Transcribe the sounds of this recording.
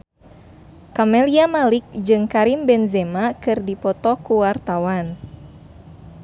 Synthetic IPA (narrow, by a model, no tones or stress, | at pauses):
kamɛliamalik̚d͡ʒɨŋkaɾimbɛnzɛmakɨrdipɔt̪ɔkuwart̪awan